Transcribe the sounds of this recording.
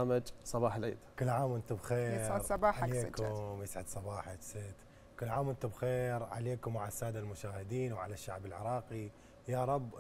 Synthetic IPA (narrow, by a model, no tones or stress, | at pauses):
mad͡ʒsˤɑbɑːħalʕḭːd̪kɪlːʕaːmʔɪnt̪ʊbxeːsʕɪɾsˤɑbɑːħʕaleːkʊmjɪsʕɪd̪sˤɑbɑːħaksɪt̪ | kɪlːʕaːmʔɪnt̪ʊbxeːɾʕa̰leːkʊmːaʕasːaːd̪almʊʃaːhɪd̪iːnwʕa̰laʃːaʕbɪlʕɪ̰ɾˤɑːqi | jaːɾˤɑbː